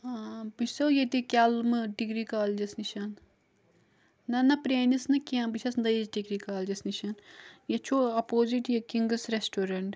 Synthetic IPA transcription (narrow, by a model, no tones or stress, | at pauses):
bisɐwjet̪ikʲɐlmɨɖiɡɾikaːld͡ʒɐsniʃɐn | ɐnɐpɾeːnisnɨkiãbiʃʰɐsnd̪ɐizɖiɡɾikaːld͡ʒɐsniʃɐnjɐt͡ʃʰoɐpoːziʈjɐkiŋɡɐsɾesʈoːɾɐɳʈ